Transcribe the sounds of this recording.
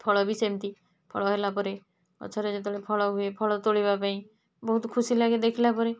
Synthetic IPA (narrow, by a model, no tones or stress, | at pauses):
pʰɔɭɔbʱisemt̪i | pʰɔ̰ɭɔɦelapɔɾe | ɔ̰t͡ʃʰɔɾed͡ʒet̪̬ɔɭepʰɔɭɔɦuepʰɔɭɔt̪oɭibapaĩ | bɔɦut̪kʰusilaɡed̪ekʰilapɔɾe